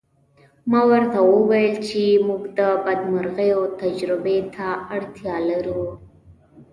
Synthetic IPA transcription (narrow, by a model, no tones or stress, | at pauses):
mawaɾt̪awuwajəlt͡ʃimuɡd̪əbɐd̪maɾɣajot̪ad͡ʒɾɪbet̪ʰaaɽt̪ʰjɑlaɾu